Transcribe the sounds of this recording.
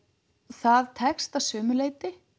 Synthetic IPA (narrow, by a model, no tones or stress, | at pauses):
θaðt̪ʰɛkst̪asœːmʏleːjt̪ɪ